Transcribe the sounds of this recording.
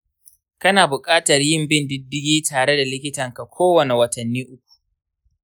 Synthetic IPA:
kɐ˦naː˨bʊ˨kʼaː˦tɐ˨rjɪ˦˨mbɪ˦ndɪ˦dːɪ˦ɡʲiː˦tʰaː˨ɽe˦da˨lɪ˦kʲɪ˦tɐ˨ŋka˨kʷoː˦wɐ˨ne˨wɐ˨tɐ˨nːiː˦ʔʊ˦k̚ʷu̥˨ʔ

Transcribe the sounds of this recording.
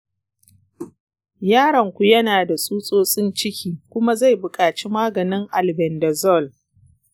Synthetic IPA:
jaː˦ɽɐ˨ŋkʷu˨jɐ˦naː˨da˨sʼuː˦sʼoː˦sʼɪ˦nt͡ʃɪ˦kʲiː˨kʷʊ˦ma˦za˦˨jbʊ˨kʼaː˨t͡ʃi˦maː˦ɡɐ˨nɪ˦ŋʔa˨lbɛ˨ndɛ˨zɔ˦˨l

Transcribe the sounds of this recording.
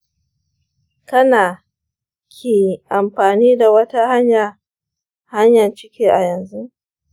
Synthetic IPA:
kɐ˦naː˨ | kʲʰeː˨ʔa˨mɸaː˨niː˦da˨wɐ˦ta˦ha˦ɲja˨ | ha˦ɲjɐ˨nt͡ʃɪ˦kʲiː˦ʔa˨jɐ˨nzu˦ʔ

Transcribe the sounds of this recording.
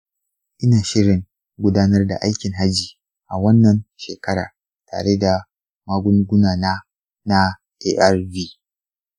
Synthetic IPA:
ʔɪ˦naː˨ʃɪ˦ɽɪ˨ŋ | ɡʷʊ˦daː˦nɐ˦rda̰˨ʔa˦jkʲɪ˨ŋɦa˦d͡ʒiː˨ | ʔa˨wɐ˦nːɐ˨nʃeː˨kɐ˦ɽa̰ː˨ | ta̰ː˨ɽe˦da˨ | ma˦ɡʷʊ˦ŋɡʷʊ˦naː˨naː˦ | na˦ | ʔeː˦ʔa˦rviː˦

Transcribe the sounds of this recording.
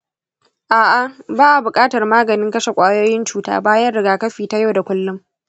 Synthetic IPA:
ʔaː˨ʔa˨baː˦ʔa˨bʊ˨kʼaː˦tɐ˨rmaː˦ɡɐ˨nɪ˦ŋkɐ˦ʃe˨kʷʼaː˦joː˦jɪ˦nt͡ʃuː˨˦ta̰ː˦baː˦jɐ˦nɽɪ˨ɡaː˨kɐ˦ɸiː˨ta˦ja˦wda˨kʷʊ˦lːʊ˦m

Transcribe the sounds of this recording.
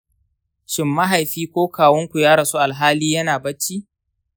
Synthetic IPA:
ʃɪ˨mːɐ˦ɦa˨jɸiː˦kʷoː˦kʰaː˨wɔ˦ŋkʷu˨jaː˦ɽɐ˨su˦ʔa˨lɦaː˦liː˦jɐ˦naː˨bɐ˦t͡ʃːiː˦

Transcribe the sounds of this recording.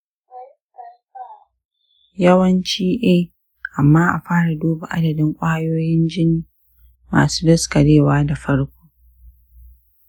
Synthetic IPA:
jɐ˦wɐ˦nt͡ʃiː˦ʔeː˦ | ʔa˨mːaː˦ʔa˨ɸaː˦ɽa˨doː˦ba˨ʔa˦dɐ˨dɪ˦ŋkʷʼaː˦a˦joː˦jɪ˦nd͡ʒɪ˦niː˨ | ma̰ː˨suː˦dɐ˦skɐ˨ɽeː˦˨waː˦da˨ɸɐ˦ɽkʷoː˦

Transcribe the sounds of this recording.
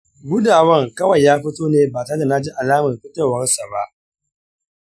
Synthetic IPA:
ɡʷʊ˦daː˨wɐ˦˨ŋkɐ˦wɐ˨jːaː˦ɸɪ˦toː˦neː˦baː˨ta˦da˨na˦d͡ʒi˦ʔa˨laː˦mɐ˨ɸɪ˦to˨wɐ˦nsa˨ba˦ʔ

